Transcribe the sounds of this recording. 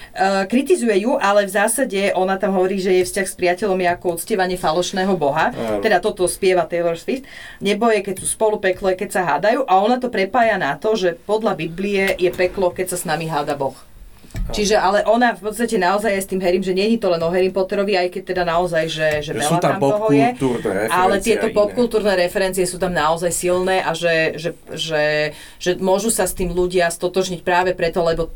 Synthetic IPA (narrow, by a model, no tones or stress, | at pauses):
kɾit̪izujɛjuʔalɛvzaːsaɟɛʔɔnat̪amɦɔʋɔɾiːʒɛjɛfscaxspɾɪacɛʎɔmjɛakɔut̪t͡scɛʋaɲɪɛfalɔʃnɛːɦɔbɔɦat̪ɛd̪at̪ɔt̪ɔspɪɛʋat̪ɛlɔɾsfist̪ | ɲɛbɔjɛkɛcsuspɔlupɛklɔakɛcsaɦa̰ːd̪ajuːʔaɔnat̪ɔpɾɛpaːjanat̪ɔʒɛpɔd̪ʎabibliɛjɛpɛklɔkɛcsasnamiɦaːd̪abɔx | t͡ʃiʒɛʔalɛʔɔnafpɔt̪st̪acɛnaɔzajast̪iːmɦɛɾiːmʒɛɲɛɲit̪ɔlɛnɔɦɛɾiːmpɔt̪ɛɾɔʋiajkɛc̚t̪ɛd̪anaɔzajʒɛʒɛɛlat̪amɔɦɔɛuɾɛalɛt̪ɪɛt̪ɔpɔp̚kulˠt̪uːɾnɛːɾɛfɛɾɛnt͡sijɛsuːt̪amnaɔzajsilnɛːʔaʒɛʒɛʒɛ | ʒ̥ɛmʊɔʒusast̪iːmluɟɪast̪ɔt̪ɔʒɲic̚pɾaːʋɛpɾɛt̪ɔlɛbɔ